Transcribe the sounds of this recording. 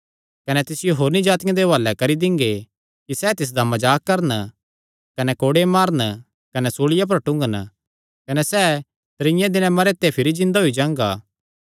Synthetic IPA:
kɐnɛt̪ɪsɪjoɦoːɾnĩd͡ʒaːt̪ɪjãd̪eʋaːlːɛkɐɾid̪ɪ̃ŋɡe | kisɛːt̪ɪs̬d̪ɐmɐd͡ʒaːkːɐɾən | kɐnɛkoːɽemaːɾən | kɐnɛsoːɭɪjap̬ɐɾʈʊ̃ŋɡən | kɐnɛsɛː | t̪ɾɪ̃jãd̪ɪnãmɐɾet̪ːepʰɪɾid͡ʒɪ̃nd̪aɦʊid͡ʒãːŋɡa̰ː

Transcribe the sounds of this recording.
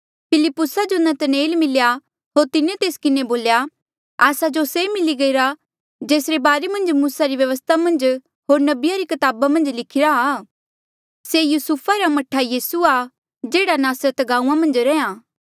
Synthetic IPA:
pʰɪlɪpːʊsad͡ʒonɐt̪neːlmɪlja | ɦoːɾt̪ɪnet̪eːskɪneboːlja | aːsad͡ʒosemɪliɡɐiɾa | d͡ʒeːsɾebaːɾemɐ̃nd͡ʒmuːsaɾiʋjɐʋəs̬t̪ʰamɐ̃nd͡ʒ | ɦoːɾnɐbɪjaɾikɐt̪aːbamɐ̃nd͡ʒlɪkʰɪɾaa | sejusupʰaɾamɐʈʰːajiːsua | d͡ʒeːɽanaːsɾət̪ɡaːũːãmɐ̃nd͡ʒɾɛ̃ːãː

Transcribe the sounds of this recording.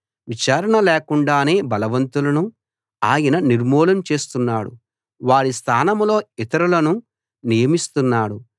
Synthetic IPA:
ʋit͡ʃaːɾɐɳɐleːkuɳɖaːne̞ːbɐlɐʋɐnt̪ulɐnu | aːjɐnɐniɾmɔːlɐmt͡ʃe̞ːst̪unːaːɽṵ | ʋaːɽist̪ʰaːnɐmlo̞ːit̪ɐɾulɐnu | nijɐmist̪unːaːɽu

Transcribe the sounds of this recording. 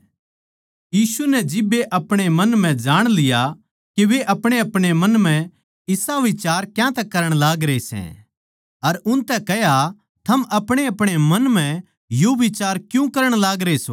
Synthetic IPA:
jiːsunɛd͡ʒɪbeʔɐpɽ̃emɐnm̤ɛ̃d͡ʒaːɽ̃lɪja | keʋeʔɐpɽ̃eɐpɽ̃emɐ̃nm̤ɛ̃ | ɪsaʋɪt͡ʃaːɾkjãt̪ɛkɐɾəɽ̃laːɡɾeisɛ̰̃ | ɐɾʊnt̪ɛkɛɦja | t̪ʰɐmʔɐpɽ̃eɐpɽ̃emɐnm̤ɛ̃ | joʋɪt͡ʃaːɾkjũkɐɾəɽ̃laːɡɾeso

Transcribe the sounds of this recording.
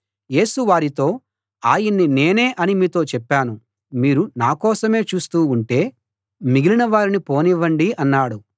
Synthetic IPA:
je̞ːsuʋaːɾit̪o̞ː | aːjinːine̞ːne̞ːʔɐnimiːt̪o̞ːt͡ʃɛpːaːnu | miːɾunaːkɔːsɐme̞ːt͡ʃuːst̪uːɳʈe̞ː | miɡilinɐʋaːɾinipo̞ːniʋɐɳɖiʔɐnːaːɽu

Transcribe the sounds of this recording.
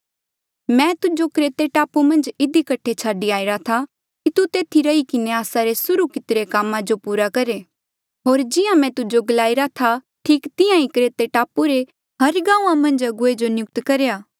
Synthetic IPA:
mɛ̃t̪ʊd͡ʒokɾeːt̪eʈaːpumɐ̃nd͡ʒɪd̪ikɐʈʰet͡ʃʰaːɖiaːɪɾat̪ʰa | kit̪ut̪eːt̪ʰiɾɐikɪneaːsaɾesʊɾukɪt̪ɪɾekaːmːãd͡ʒopuːɾakɐɾe | ɦoːɾd͡ʒɪjãmɛ̃t̪ʊd͡ʒoɡɐlaːiɾat̪ʰa | ʈʰiːkt̪ɪjãikɾeːt̪eʈaːpuɾe | ɦɐɾɡãːũãmɐ̃nd͡ʒɐɡued͡ʒonjʊk̚t̪kɐɾjaː

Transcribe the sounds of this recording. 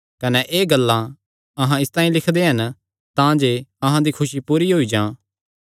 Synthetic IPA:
kɐnɛʔeːɡɐlːã | ɐɦãɪst̪ãːĩlɪkʰd̪eɦɐn | t̪ãd͡ʒeɐɦãd̪ikʰʊʃipuːɾiɦoid͡ʒãː

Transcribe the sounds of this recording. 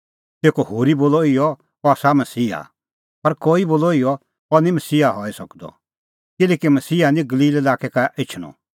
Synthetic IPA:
t̪eːkohoːɾiboːlɔɪjɔ | ɔsamɐsiːɦa̰ | pɐɾkoːiboːlɔɪjɔ | ɔnĩmɐsiːɦaɦɔːisɐkd̪ɔ̰ | kɪlɛːkimɐsiːɦanĩɡɐliːlelaːkɛkaʔɪt͡ʃʰɽ̃ɔ̰

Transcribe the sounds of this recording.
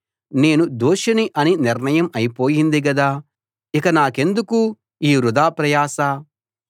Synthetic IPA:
ne̞ːnud̪oːʂɐniʔɐniniɾnɐjɐmɐjpo̞ːjind̪iɡɐd̪aː | ikɐnaːke̞nd̪uku | iːɾud̪aːpɾɐjaːsɐ

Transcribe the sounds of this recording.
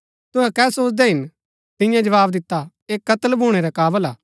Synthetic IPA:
t̪ʊ̃ɦɛ̃kɛːsoːt͡ʃd̪ɛɦɪn | t̪ɪ̃jãd͡ʒɐʋaːbd̪ɪt̪ːa | eːkːɐt̪əlbʱuːɽ̃eɾɛkaːbəlaː

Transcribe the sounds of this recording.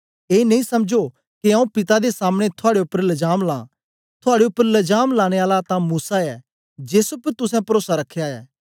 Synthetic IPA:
eːnɐ̃ĩsɐmd͡ʒo | kiãːũpɪt̪ad̪esaːmɽ̃et̪ʰʊaːɽeʊpːəɾlɐd͡ʒaːmlã̰ː | t̪ʰʊaːɽeʊpːəɾlɐd͡ʒaːmlaːɽ̃eaːlat̪ãmuːsaɛː | d͡ʒeːsʊpt̪ʊsɛ̃pɐɾoːsaɾɐkʰːeaːɛ̰ː

